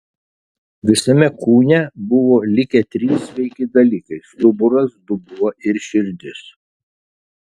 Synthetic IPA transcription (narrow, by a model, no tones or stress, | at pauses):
ʋʲɪsɐmʲɛkuːnʲɛbʊʋoːlʲɪkʲɛt̪ʲɾʲisʋʲɛɪkʲɪd̪ɐlʲiːkɐɪsd̪ʊbʊɾɐsd̪ʊbuɔɪɾʃʲɪɾʲd̪ʲɪs